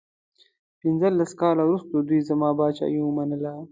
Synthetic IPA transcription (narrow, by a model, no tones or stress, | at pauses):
pɪnzəlːaskɑːlawɾust̪od̪wijzamɑːbɑːt͡ʃɑ̰jiwəmanəla